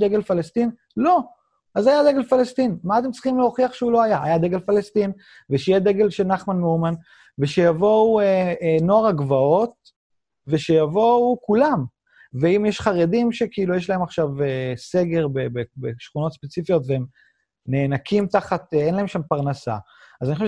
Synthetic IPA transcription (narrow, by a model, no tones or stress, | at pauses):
d̪eɡelfalest̪in | lo̞ | azajad̪eɡelfalest̪inmaːt̪emtt͡sʁiχimleo̞χiaχʃeulo̞ajaajad̪eɡelfalest̪in | veʃejed̪eɡe̞lʃenaχmanmouman | veʃejavo̞ueno̞aʁaɡvao̞t̪̚ | ve̞ʃejavo̞ukulam | veimjeʃχaʁedimʃe̞kiilujeʃ̬lae̞maχʃavese̞ɡe̞ʁbebebeʃχuno̞t̪spet͡sifijo̞t̪veem | neːnakʰimt̪aχat̪eenlae̞mʃampaʁnasa̰ | azaniχoʃe